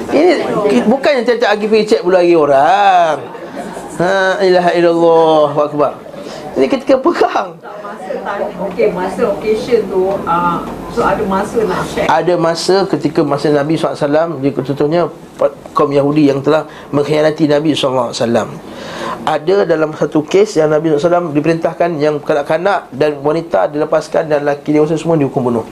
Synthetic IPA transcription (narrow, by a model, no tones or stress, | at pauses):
inibukanjãŋt̪iat̪aʔaɡipəit͡ʃɛt̪̚bəluaɡioɾaŋ | həilaɦailalːɔhbaʔk̚bar | inĩkət̪i̥kapəɡaŋ | maokemãsəokeʃənt̪uəsoadamãsəlaʔfɛʔadamãsəkət̪ikamasənãbisɔasalamdit̪ɔnt̪ʊhɲa | p | kamjaɦudijaŋt̪əlah | mə̃ŋhəjanat̪inãbislːaasalam | ʔadadalamsat̪ukesjaŋnabisɔlsalamdipəɾint̪ahkanjaŋkanaʔkanaʔdanwanit̪adiləpaska̰nɡanlakidewas̬asəmũadiɦukʊmbunʊh